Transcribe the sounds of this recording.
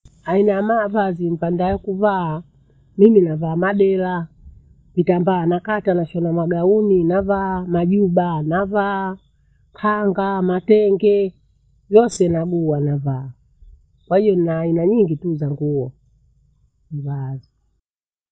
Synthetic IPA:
ainajamavazim̩pandajɔkuvaː | miminavaːmaɗɛla | vitambaːnakatanaʃɔnamaɡauninavaːmaʄuɓanavaː | kʰaŋɡamatɛŋɡɛ | vjɔsɛnaɓuwanavaː | kwahijɔnnaːinaɲiŋɡituzaŋɡuɔ | ivazi

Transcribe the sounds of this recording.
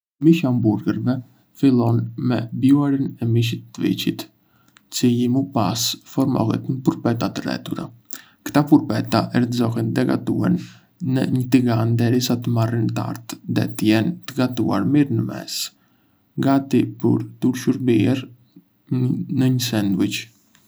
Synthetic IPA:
miʃambuɾɡəɾvɛ | filˠɔnmɛbjuaɾinɛmiʃ̬it̪ːəvḭt͡ɕit̪ | t͡sijimupasfɔɾmɔ̰ɦɛ̰t̪ɲəpuɾpɛt̪at̪ərɛ̰t̪uɾa̰ | kt̪apuɾpɛt̪aʔɛɾt̪əzɔɦɛnd̪ɛɡa̰t̪uɛ̰n | nə̰ɲət̪iɡand̪ɛɾisat̪əmarint̪a̰ɾt̪ðɛ̰t̪əjɛnt̪əɡat̪ua̰ɾmiɾnəmɛ̰s | ŋɡat̪ipə̰ɾt̪uɾʃuɾbiɛɾ | nəɲəsɛnd̪wit͡ʃ

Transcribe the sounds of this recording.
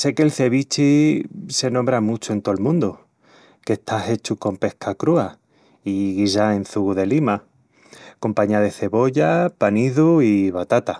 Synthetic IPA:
se̞kelθe̞βit͡ʃise̞nõmbɾamut͡ʃoe̞nt̪oelmũnd̪u | ke̞ht̪ʰaɦe̞t͡ʃuko̞mpe̞hkʰakɾua | iɣisaẽ̞nθuɣuðe̞lima | ko̞mpaɲaðe̞θe̞βo̞ʎapaniðuiβat̪at̪a

